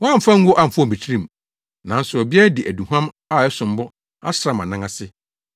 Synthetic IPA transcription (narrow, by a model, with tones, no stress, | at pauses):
wɔ˦a˦m̩˨fã˦ŋ̩˦ɡʊ˦ʔa˦˨m̩˨fɔ̃˦˨bi˨tʰi˦ɾĩ˦m̩˨ | nã˨n̩˦sʊ˨ɔ˨bi˦ɛ˦dɪ˨ʔæ˨du˨ɦã˦m | a˦˨ɛ˦sʊ̃˨m˦bɔ˦ | a̰˦sɾa˨˦˨mã˨nã˦ŋã˦sɪ˦